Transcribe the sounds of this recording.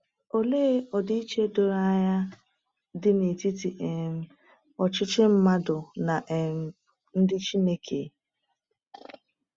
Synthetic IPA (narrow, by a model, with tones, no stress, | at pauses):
o˨leː˦ɔ˨di˦i˦t͡ʃe˦do˨ɾa˦˨ɲa˦ | dɪ˦ne˨ti˦ti˨ʔe˨m̩˦ | ɔ˨t͡ʃɪ˦t͡ʃɪ˦m̩˦ma˦dʊ˨na˨ʔe˨˦ | n̩˦dɪ˦t͡ʃi˦ne˦kʰe˨